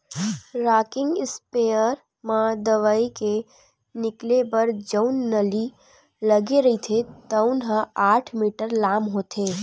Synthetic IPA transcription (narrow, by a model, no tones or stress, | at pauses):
ɾaːkɪ̃ŋɡɪspejəɾ | mãd̪əʋaːike | nɪklebəɾd͡ʒəʊnːəli | ləɡeɾəɦit̪ʰet̪əʊnɦãaːʈʰmiːʈəɾlaːmɦot̪ʰeː